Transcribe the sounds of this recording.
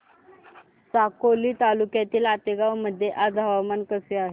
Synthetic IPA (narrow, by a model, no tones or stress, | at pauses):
sakoliːt̪alukjat̪iːlat̪eɡawməd̪ʱːjeʔad͡zɦaʋamankəseaɦe